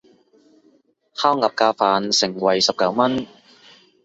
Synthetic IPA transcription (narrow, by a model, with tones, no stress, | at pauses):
hʰaː˥wŋɐ˨p̚kaː˧faː˨˧nsɪ˨˩ŋwɐ˨˩jsɐ˨p̚kɐ˨˥wmɐ˥n